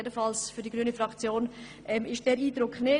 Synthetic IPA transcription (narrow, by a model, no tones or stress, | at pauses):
edənfɑlsfyɐdiɡ̥ɾyːnəfʁɑkt͡sjoːn | ʔɛmɪʃd̥ɛːɾiːdɾʊknɪ